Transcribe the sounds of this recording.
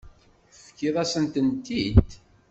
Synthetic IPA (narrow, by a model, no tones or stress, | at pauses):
fkːiðˤɑsənt̪ənt̪idd̪